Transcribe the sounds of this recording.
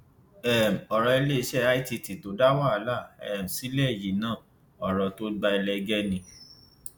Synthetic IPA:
ɛ˦˨m̩˨ɔ˨ɾɔ˨˧i˧le˦˧˦ʃɛ˦a˦i˦ti˧ti˨to˨˦da˦wa˦˨˦la˦˨ɛ˨m̩˨si˨˦lɛ˦˨ji˨nãː˦˨ | ɔ˨ɾɔ˧to˦ɡ͡ba˧i˧lɛ˧ɡɛ˦nĩ˧˦

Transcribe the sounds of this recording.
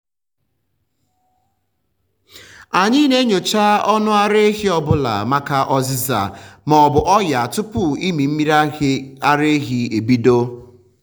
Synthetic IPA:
a˨ɲɪ˦ne˦ɲo˨t͡ʃa˦ɔ˦nʊ˦a˦ɾe˦e˦ɦi˦ɔ˨bʊ˦la̰˨ma˦ka˦ʔɔ˦zɪ˦za̰˨mɔ˨ɔ˨bʊ˨ʔɔ˦ja˨tʊ˦pʊ˦i˦mi˨m̩˦mi˦ɾa˦ɾe˦ɦi˦e˨bi˦do˦

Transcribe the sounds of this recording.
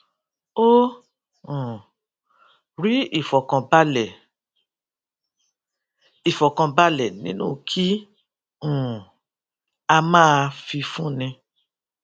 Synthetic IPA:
o˦ | ũ˨ | ɾi˨˦i˦˨fɔ˨kã˧ba˦lɛ˨ | i˨fɔ˨kã˧ba˦lɛ˨nĩ˨˦nṵ̃˦˨kʰi˦ | ũ˦˨ | a˧mãː˦˧fi˧fũ˦˨nĩ˧

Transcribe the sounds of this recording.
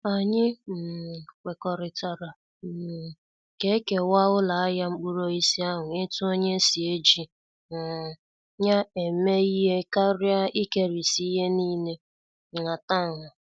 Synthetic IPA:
a˨ɲɪ˦m̩˨kʷe˨kɔ˨ɾɪ˨ta˨ɾa˨ | m̩˨ | ke˦ke˨wa˦ʊ˦la˨a˦ja˦ŋ͡m̩˦k͡pu˦ɾo˦i˦si˦a˦ɦʊ˨ɪ˦tʊ˦o˦ɲe˦si˨e˦d͡ʒi˨ | ɲa˦e˨˦me˦i˦ɦe˦ka˦ɾi˦a˦i˦ke˦ɾi˨si˦i˦ɦe˦ni˦ne˦˨ | ŋa˨ta˦˨ŋʊ˨

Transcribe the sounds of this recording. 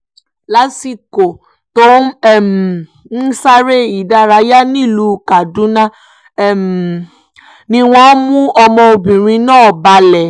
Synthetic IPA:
la˦si˧ko˨ | to˦˨m˨ | n̩˦sa˦ɾe˦i˨da˧ɾa˨˧˦ja˦nĩ˦˨lu˧˦˧ka˨dũ˨˦nã˦˨ | m | nĩ˧w̃ɔ̃˦mũ˦ɔ˧mɔ̃˧o˧bĩ˨ɾ̃ĩ˧nãː˦˨ba˧lɛ˨

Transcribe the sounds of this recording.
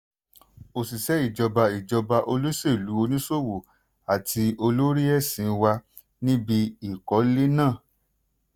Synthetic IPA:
o˨si˨sɛ˨˦i˦˨d͡ʒɔ˧ba˧i˨d͡ʒɔ˧ba˧ʔo˧lo˦se˦˨lu˨˦o˧nĩ˦so˦˨wo˨ | a˨tʰi˧o˧lo˦ɾi˦ɛ˦˨sĩ˨˦˧wa˧ | nĩ˦bi˧i˨kɔ˨˦le˦nãː˦˨

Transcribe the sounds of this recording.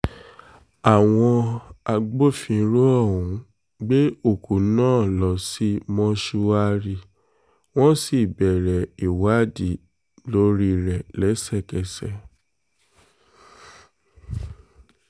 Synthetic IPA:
a˨w̃ɔ̃˧a˧ɡ͡bo˦˨fĩ˧˦ɾo˦ɔ˦˨ũ˨˦ | ɡ͡be˦o˦˨ku˨˦nãː˦˨lɔ˧si˦mɔ̃˧ʃu˧wa˦ɾi˧˨ | w̃ɔ̃˦si˦˨bɛ˨ɾɛ˨i˨wa˨˦di˨ | lo˦ɾi˧ɾɛ˨lɛ˨˦sɛ˦˨kɛ˧˨sɛ˧˨

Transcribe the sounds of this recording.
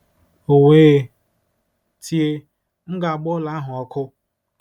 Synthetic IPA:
o˨wʷeː˦ | tʰi˦e˦ | m̩˦ɡa˨ɡ͡bɔ˦la˨˦a˦ɦʊ˨ɔ˨kʰʊ˦

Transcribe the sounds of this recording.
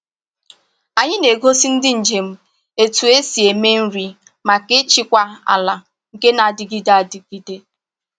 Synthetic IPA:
a˨ɲɪ˦ne˨ɡo˦si˦n̩˦dɪ˦n̩˨d͡ʒe˨m̩˦ | e˨tu˨e˦si˨e˨me˦n̩˦ɾi˨ | ma˨ke˦t͡ʃi˦kʷa˦a̰˨la˨ | ŋ̩˨ke˦na˨dɪ˨ɡi˦de˦a˨dɪ˨ɡ̥i˦de˦

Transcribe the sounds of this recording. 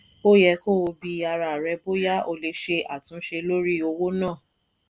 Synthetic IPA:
o˦jɛ˧ko˦o˧bi˧a˧ɾa˨ɾɛ˧bo˦ja˦ʔo˧le˧˦ʃe˧a̰˦˨tũ˨˦ʃe˧lo˦ɾi˦o˧wo˦nãː˦˨

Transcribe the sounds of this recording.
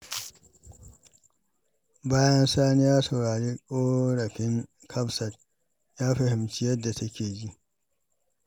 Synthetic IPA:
baː˦jɐ˦nsaː˦nɪ˦jaː˦so˨ɽaː˨ɽeː˦kʷʼoː˦ɽɐ˨kʲɪ˦ŋ | kʰɐ˦bsɐ˨t̚ | jaː˦ɸɐ˨hɪ˨mt͡ʃɪ˦jɐ˦dːa˨tʰɐ˦kʲeː˨d͡ʒi˦ʔ

